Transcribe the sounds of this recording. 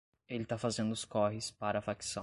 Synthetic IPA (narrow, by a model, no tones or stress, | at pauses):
elɪt̪afazẽnd̪ʊʊskɔɦɪspaɾɐafaksɐ̃